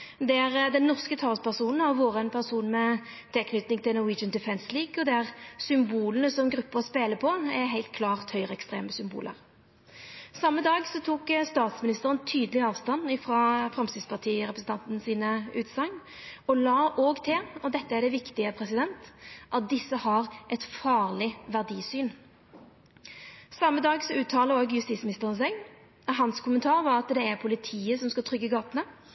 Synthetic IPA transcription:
d̪ɛæʁd̪ɛnːɔʁskət̪ʰɑːʁspʰæʁsuːnn̩hɑʁʋuːʁəɛnpʰæʁsuːnmɛ | t̪ʰɪlkʰnʏt̪nɪŋt̪ʰɪlnʊwiːd͡ʒənd̪ɪfɛnsliːɡɔd̪ɛæʁsʏmbuːlənəsɔmɡɾʉpːəʁɔspeːləpʰɔɛɦæɪlt̪̚kʰlɑːʁt̪hœʏʁəɛkst̪ʁḛːməsʏmbṵːlə̰ʁ | sɑmːəd̪ɑːɡsɔt̪ʰuːkst̪ɑːt̪smɪnɪst̪əʁənt̪ʰyːd̪əlɪɑːʋst̪ɑnɪfʁɑːfʁɛmst̪ɪspʰɑʁt̪ʰiːʁɛpɾəsn̩t̪ʰɑnt̪n̩siːnəʉːt̪sɑŋ | ɔlɑːʔoːɡt̪ʰɪlɔd̪ɛt̪ːəæɖ̪ɛʋɪkt̪ɪəpʰɾɛsɪd̪ɛnt̪ʔɑt̪̚d̪ɪsːəhɑʁʔɛt̪fɑːʁlɪʋæʁd̪iːsyːn | sɑmːəd̪ɑːɡsɔʉːt̪ʰːɑːləoːɡjʉst̪iːtsmɪnɪst̪əʁənsɛɡ | ɦɑnskʊmənt̪ʰɑːʁʋɑɑt̪d̪ɛæʁpʰʊlɪt̪ʰiːəsɔmskɑt̪ʰʁʏɡːəɡɑːt̪ənə

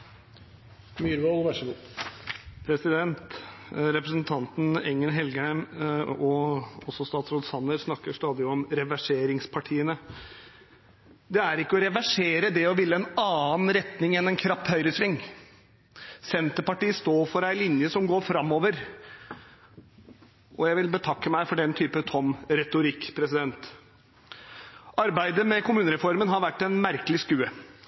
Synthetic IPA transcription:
myɾʋolʋæʂəku | pʰɾɛsɪd̪ɛnt̪ɾɛpɾəsnt̪ʰɑnt̪n̩ɛŋːənɦɛlɡəhæɪmɔɔsːɔst̪ɑːt̪sɾɔd̪sɑnːəɾsnɑkːəʂt̪ɑːd̪ɪɔmɾɛʋæʂeːɾɪŋspʰɑʈʰiːənə | d̪ɛæɾɪkːəɔɾɛʋæʂeːɾəd̪ɛɔʋɪlːəɛnɑːnɾɛt̪nɪŋɛnɛnkʰɾɑphœʏɾəsʋɪŋː | sɛnt̪əpɑʈiːst̪oːɾfɔɾæɪlɪnjəsɔmɡoːɾfɾɑmːoːʋəɾ | ʔɔjæɪʋɪlbət̪ʰɑkːəmæɪfɔɖɛnt̪ʰyːpət̪ʰɔmɾɛt̪ʊɾɪkːpʰɾɛsɪd̪ɛnt̪ | ʔɑɾbæɪd̪əmɛkʰʊmʉːnəɾɛfɔɾmənɦɑɾʋæʈːɛɪnmæɾkəlɪskʉːə

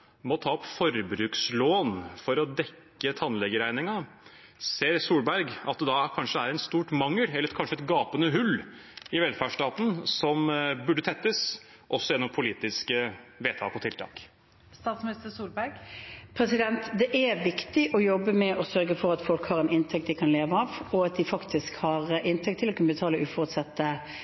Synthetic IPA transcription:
mɔt̪ʰɑːɔpfɔɾbɾʉːksloːnfɔɾɔd̪ɛkːət̪ʰɑnlɛɡəɾæɪnɪŋɑ | seːɾsuːlbæɾɡɑt̪̚d̪ɛd̪ɑkʰɑnʂəæɾɛnst̪uːʈmɑŋːəlɛlːɾɛkʰɑnʂəɛt̪ɡɑːpənəɦʉlːɪʋɛlfæʂʈɑːt̪n̩sɔmbʉɖət̪ʰɛt̪ːəs | ʔɔsːɔjɛnːɔmpʰʊliːt̪ɪskəʋeːt̪ʰɑ̰ːkɔt̪ʰɪlt̪ʰɑ̰ːk | st̪ɑːt̪smɪnɪst̪əsuːlbæɾɡpʰɾɛsɪd̪ɛnt̪d̪ɛʔæʋɪkt̪ɪʔɔjɔbːəmɛʔɔsœɾɡəfɔɾɑt̪fɔlkhɑːɾɛnɪnt̪ʰɛk̚t̪d̪ɪkʰɑnleːʋəɑʋɔɑt̪̚d̪ɪfɑkt̪ʰɪskhɑʁʔɪnt̪ʰɛk̚t̪ʰːɪlɔkʰʉnəbət̪ʰɑːləʔʉːfɔʁʉt̪sɑt̪ːə

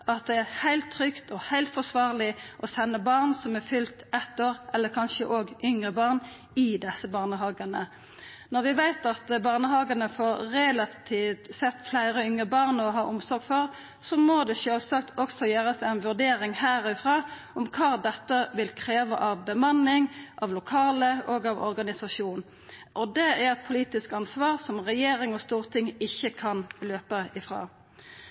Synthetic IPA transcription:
ɑt̪̚d̪ɛæʁhæɪlt̪ʰːʁʏkt̪ɔhæɪlt̪fɔʁsʋɑːʁlɪʔɔsɛnːəbɑʁnsɔmæʁfʏlt̪ɛt̪ːoːʁʔɛlːəkʰɑnʃəʔoːɡʏŋʁəbɑʁn | ɪd̪ɛsːəbɑːʁnəɦɑːɡɑnə | nɔʁʋɪʋæɪt̪ɑt̪bɑːʁnəhɑːɡɑnəfoːʁʁɛlɑt̪ʰiːt̪sɛt̪ːflæɪɾəʏŋʁəbɑʁnɔɦɑːʔʊmsɔʁɡfɔʁ | sɔmɔd̪ɛʃøːlsɑk̚t̪ʰɔksɔjøːʁəsæɪnʋʉʁd̪eːɾɪŋhæːɾɪfɾɑː | ʔɔmkʰɑːd̪ɛt̪ːəʋɪlkʰɾeːʋəʔɑʋbəmɑnːɪŋʔɑʋlʊkʰɑːləɔɡɑʋɔ̰ʁɡɑnɪsɑʂuːn | ʔɔd̪ɛæʁɛt̪̚pʰʊliːt̪ɪskɑnsʋɑːʁsɔmʁɛjeːɾɪŋɔst̪uːʁt̪ʰɪŋɪçːəkʰɑnløːpəɪfʁɑ̰ː

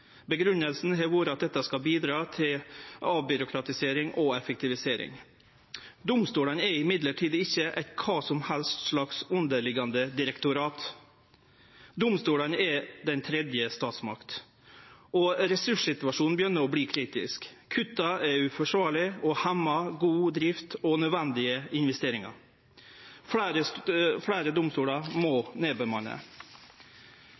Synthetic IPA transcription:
bəɡɾʉnːəlsn̩ɦɛʋʊɾɑt̪̚d̪ɛt̪ːɑskɑbiːd̪ɾɑːt̪ʰɪlʔɑʋbʏɾʊkʰɾɑt̪ɪseːɾɪŋʔɔɛfɛk̚t̪ɪʋɪseːɾɪ̰ŋ | d̪ʊmst̪uːlənɛɾɪmɪd̪ləʈʰiːd̪ɪçːəʔɛt̪kʰɑːsɔmhɛlst̪ʂɭɑksʉnd̪əɭɪɡɑnd̪əd̪ɪɾɛkt̪ʊɾɑːt̪ | d̪ʊmst̪uːlənɛd̪ɛnt̪ʰɾɛd̪jəst̪ɑːt̪smɑkt̪ | ɔɾɛsʉʂsɪt̪ʉʋɑʂuːnn̩bjʏnːəɾɔbliːkʰɾiːt̪ɪ̰skʰ | ʉt̪ɑɛʉfɔʂʋɑːɭɪɔhɛmːɑɡuːd̪ɾɪft̪ɔnœd̪ʋɛnd̪ɪəɪnʋɛst̪eːɾɪŋɑ̰ɾ | fɾəfɽæːɾəd̪ʊmst̪uːlɑɾmɔneːbəmɑnə̰

